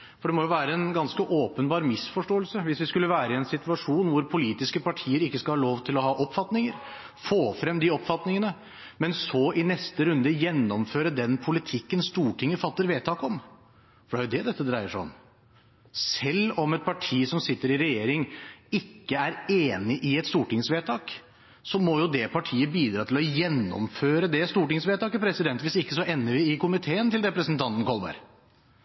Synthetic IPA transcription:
fɔɖɛmɔjʊʋæːɾəɛnɡɑnskəʔoːpənbɑːɾmɪsfɔʂʈoːəlsəʋɪsʋɪskʉlːəʋæːɾəɪɛnsɪt̪ʉɑʂuːnʋʊɾpʰʊliːt̪ɪskəpɑʈʰiːəɾɪkːəskɑlhɑloːʋt̪ʰɪlɔɦɑːʔɔpːfɑt̪nɪŋəɾ | foːfɾɛmd̪ɪɔpfɑt̪nɪŋənə | mɛnsɔʔɪnɛst̪əɾʉnd̪əjɛnːɔmføːɾəd̪ɛnpʰʊlɪt̪ʰɪkːənst̪uːʈʰɪŋːəfɑt̪ːəɾʋeːt̪ʰːɑːkɔm | fɔɖæɾjʊd̪ɛd̪ɛt̪ːəd̪ɾæɪəʂɔ̰m | sɛlːɔmɛt̪̚pʰɑʈʰiːsɔmsɪt̪ːəɾɪɾɛjeːɾɪŋɪkːəæɾeːnɪʔɪɛt̪st̪uːʈɪŋsʋeːt̪ʰɑːk | sɔmɔjʊd̪ɛpʰɑʈʰiːəbiːd̪ɾɑːt̪ʰɪlɔjɛnːɔ̰mføːɾəd̪ɛst̪uːʈɪŋsʋeːt̪ɑːkəpʰɾɛsɪd̪ɛnt̪ʋɪsɪkːəsɔʔɛnːəɾʋɪɪkʊmɪt̪ʰeːənt̪ɪlɾɛpɾəsənt̪ʰɑnt̪n̩kʰɔlbɑ̰ɾ

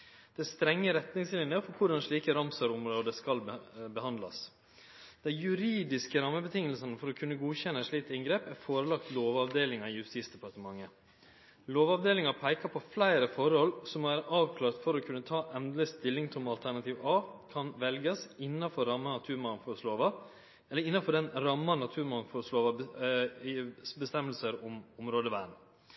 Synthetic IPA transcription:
d̪̥ɛst̪ɾɛŋːəɾɛt̪nɪŋslɪnəfɔɾkʰʊɖɑnʂɭiːkəɾɑmsɑɾʊmɾɔd̪ɛskɑlbəhɑnd̪lɑ̰s | d̪̥ɛɪjʉɾiːd̪ɪskəɾɑmːəbət̪ʰɪŋːəlsənəfɔɾɔkʰʉnːəɡuːçɛnːəɛʂɭiːt̪əɪŋɡɾeːpæɾfoːɾəlɑkt̪loːʋɑʋd̪eːlɪŋɑɪjʉst̪iːsd̪ɛpɑɾt̪əmɑŋːə | loːʋɑʋd̪eːlɪŋɑpʰæɪkɑpʰɔflæɪɾəfɔɾhɔlsɔmoːʋæːɾəʔɑːʋkʰlɑːɾt̪fɔɾɔkʰʉnːət̪ʰɑːʔɛnd̪ɾəst̪ɪlːɪŋt̪ʰɔmɑlt̪ʰæɳɑt̪ʰiːʋɑːkʰɑnʋɛlɡəsɪnːɑfɔɾɾɑmːɑnɑt̪ʰʉːɾmɑŋfɔɾsloːʋɑ | ɛlːəɾɪnːɑfɔɖɛnɾɑmːɑnɑt̪ʰʉːɾmɑŋfʊɾsloːʋɑbə | bəst̪ɛmːəlsəɾɔmʊmɾoːd̪əʋæːɳ̩

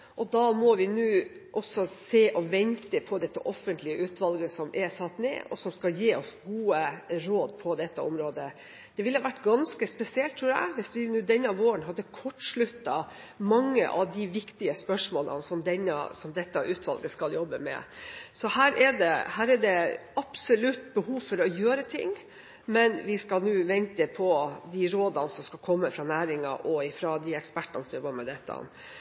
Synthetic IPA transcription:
ʔɔd̪ɑmɔʋɪnʉːʔɔsɔseːʔɔʋɛnt̪əpʰɔd̪ɛt̪ːəʔɔfːənt̪lɪəʉːt̪ʋɑlɡəsɔmʔɛsɑt̪nḛːʔɔ̰sɔmskɑljiːɔsɡuːəɾoːd̪pʰɔd̪ɛt̪ːəɔ̰mɾoːd̪ə | d̪̥ɛʋɪlhɑʋæʈːɡɑnskəspɛsɪɛlt̪ʰːɾuːɾæ̰ɪʋɪsʋɪnʉːd̪ɛnːəɑʋoːɾənɦɑd̪ːəkʰɔʈːʂɭʉt̪ːɑ | mɑŋːə̰ʔɑʋd̪ɪʋɪkt̪ɪəspœʂmoːlə̰nsɔmd̪ɛnːɑ̰sɔmd̪ɛt̪ːɑʔʉːt̪ʰʋɑ̰lɡəskɑljɔbːəmɛ̰sɔhæːɾʔɛɖɛhæːɾɛɖɛɑpsɔlʉt̪ːbəhuːʋfɔɾɔjøːɾət̪ʰɪ̰ŋː | mɛnʋɪskɑlnuːʋɛnt̪əpʰɔd̪ɪɾoːd̪ɑnsɔmskɑlkʰɔmːəfɾɑnæːɾɪŋɑ̰ʔɔɪfɾɑd̪ɪɛkspæʈːɑnəsɔmjɔbəmɛd̪ɛt̪ːɑ̰n

